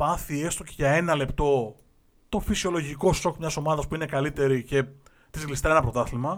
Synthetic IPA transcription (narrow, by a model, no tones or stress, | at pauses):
pɐθie̞st̪o̞ce̞ʝɐe̞nɐle̞pt̪o̞ | t̪o̞fisio̞lo̞ʝiko̞so̞kmɲɐso̞mɐðɐspuine̞kɐlit̪e̞ɾice̞ | t̪izɣlist̪eenɐpɾot̪ɐθlimɐ